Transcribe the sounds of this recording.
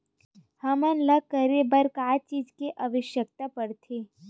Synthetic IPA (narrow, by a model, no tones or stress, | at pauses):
hɐmənləkːəɾebəɾkaːt͡ʃiːd͡ʒkeʔɐʋəʃjək̚t̪apɐɽt̪ʰeː